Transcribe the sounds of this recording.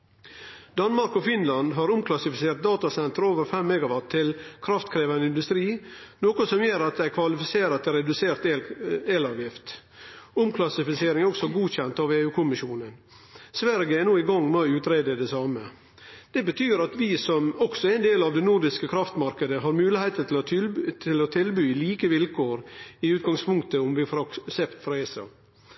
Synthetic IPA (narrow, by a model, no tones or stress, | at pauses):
d̪̥ɑnmɑɾkɔfɪnlɑnd̪ɦɑɾʊmkʰlɑsɪfɪseːɾt̪̚d̪ɑːt̪ɑsɛnt̪əɾoːʋəɾfɛmːɛɡɑʋɑtʰːɪlkʰɾɑft̪kʰɾeːʋɑnəɪnd̪ʉst̪ɾiːnoːkɔsɔmjøːɾɑt̪̚d̪æɪkʰʋɑlɪfɪseːɾət̪ːɛɾɛd̪ʉseːɾt̪ːeːlɑːʋjɪft̪ | ʊmkʰlɑsɪfɪseːɾɪŋæɾɔksɔɡuːçɛnt̪ɑːʋeːʉːkʰʊmɪʃuːnən | sʋæɾɡəɛnoːɪɡɑŋːmoʉːt̪ɾeːd̪əd̪ɛsɑːmə | d̪̥ɛbət̪ʰyːɾɑt̪ʋɪsɔmɔɡ̥sɔæɪnd̪eːlɑʋd̪ɛnuɾd̪ɪskəkʰɾɑft̪mɑɾkəd̪əɦɑɾmʉːlɪheɪt̪ət̪ʰɪlt̪ʰɪlɔt̪ʰɪlbyːliːkəʋɪlkʰoːɾɪʉːt̪̚ɡɑŋspʰʊŋkt̪əʊmʋɪfɾɑsɛpt̪fɾɑeːsɑ̰